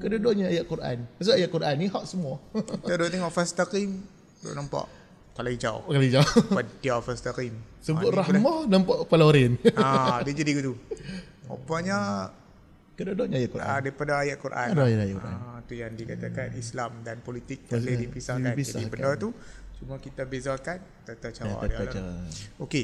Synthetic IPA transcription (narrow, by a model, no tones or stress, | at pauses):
kədadɔʔɲaajaʔkuɾʔa̰npas̬əajaʔkuɾʔaniɦaʔsəmuat̪adɔʔt̪eŋɔʔfast̪akim | dɔ̰ʔnampa̰ʔ | kalaid͡ʒa̰wkalaid͡ʒaadiafast̪akim | səbʊʔɾahmanampaʔpalaɾɪnadid͡ʒadikut̪u | o̰paʔɲa | kədadɔʔɲajaʔkuaadaɾipadaːjaʔkuɾʔa̰njaajʔkua̰t̪ujaŋdikat̪akanislamdanpolit̪ɪk̚t̪alədipisakand͡ʒadibəndɔt̪ut͡ʃumakit̪abezakan | t̪at̪at͡ʃawa̰ʔdaalaaoke